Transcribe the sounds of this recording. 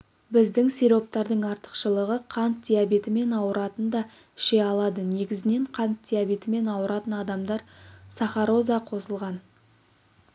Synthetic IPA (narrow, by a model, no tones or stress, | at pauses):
bɪzd̪ɪŋseɾo̞p̚t̪ɑɾd̪əɴɑɾt̪ə̥qʃəlˠəʁəqʰɑnt̪̚d̪ʲijabe̞t̪ɪme̞nɑwəɾɑt̪ənd̪ɑ | ɪ̥ʃe̞ɑlˠɑd̪əne̞ɡʲɪzɪne̞ɴqʰɑnt̪̚d̪ʲijabe̞t̪ɪme̞nɑwəɾɑt̪ənɑd̪ɑmd̪ɑɾsɑχɑɾo̞zɑqʰo̞səlˠʁɑn